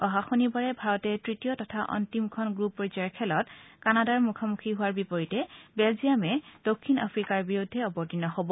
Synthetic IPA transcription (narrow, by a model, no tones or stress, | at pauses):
ɔɦaxonibaɹɛbʱaɹɔtɛtɹitijɔtɔtʰaʔɔ̰ntimkʰɔnɡɹupːɔizaɹkʰɛlɔtkanadaɹmukʰamukʰiɦʊwaɹbipɔɹitɛbɛlzijamɛd̥okʰːina̰pʰɹikaɹbiɹudʱːɛɔbɔɹtinɔɦobɔ